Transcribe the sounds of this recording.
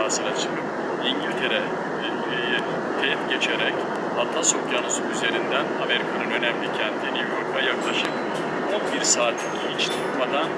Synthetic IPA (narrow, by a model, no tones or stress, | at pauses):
aːsɯɾaʃɯɾɯm | viɲɟilʲt̪ʰe̞ɾɛ | t̪ʰefɟe̞t͡ʃʰeɾɛc | vat̪ʰasokjanuzuyze̞ɾind̪ænhavɛɾkʰanɯnø̞næmlʲicʰɛnt̪ʰinivjoɾk̪ˠajaklˠaʃɯp | onˠbiɾsaːt̪ʰlʲicʰihit͡ʃt̪ʰukmad̪an